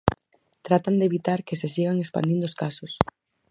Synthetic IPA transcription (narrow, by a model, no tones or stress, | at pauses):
t̪ɾat̪and̪eβit̪aɾkɪsesiɣaŋespa̰nd̪ind̪oskasʊs